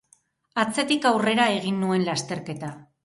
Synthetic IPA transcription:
at͡se̞t̪ikawre̞ɾae̞ɣ̞inːue̞nlast̪e̞ɾke̞t̪a

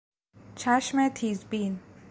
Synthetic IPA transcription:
t͡ʃʰæʃmet̪ʰiːzbin

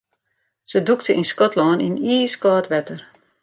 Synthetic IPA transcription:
səduktʰəʔinskɔtlɔːnʔḭniːskɔːtʋɛtər

